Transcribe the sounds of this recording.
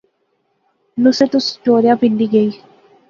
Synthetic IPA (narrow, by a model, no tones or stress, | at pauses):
nʊset̪ʊst͡ʃoːɾjãːpɪ̃nd̪iːɡəiː